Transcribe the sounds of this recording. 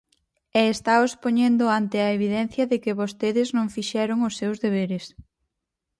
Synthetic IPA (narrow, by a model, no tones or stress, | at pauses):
ɛːst̪aʊspoɲend̪ʊant̪ɪɐeβ̞iðɛn̟θjɐðɪkɪβost̪eðɪznõŋfiʃɛɾʊŋʊsːewzðeβ̞eɾɪs